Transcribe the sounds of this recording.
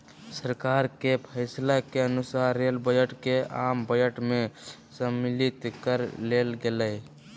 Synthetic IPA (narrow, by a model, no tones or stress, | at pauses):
səɾkaːɾkepʰəɪslakeənusaɾelbəd͡ʒəʈkeambəd͡ʒəʈmẽsəmːilit̪kəɾlelɡelə